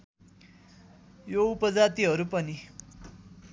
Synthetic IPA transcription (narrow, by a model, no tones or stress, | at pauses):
joupəd͡zat̪iɦəɾupəni